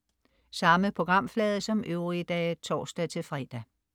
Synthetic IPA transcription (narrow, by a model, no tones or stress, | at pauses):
sɑ̈məpʰo̝ɡ̥ʁɑ̈m̰flɛːð̞ˠəsɒ̽mʔøʊʁiəd̥ɛːt͡sʰɒ̰ːsd̥ɛt͡sʰe̝lfʁɛːd̥æ